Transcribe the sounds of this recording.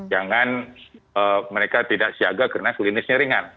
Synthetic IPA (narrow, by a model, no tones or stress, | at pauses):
d͡ʒaŋanəməɾekat̪idaʔsiaɡakərənakəlinɪsɲaɾiŋan